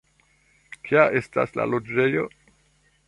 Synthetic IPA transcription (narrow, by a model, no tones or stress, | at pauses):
kʰiaʔe̞sta̰sla̰lo̞d͡ʒe̞jo̞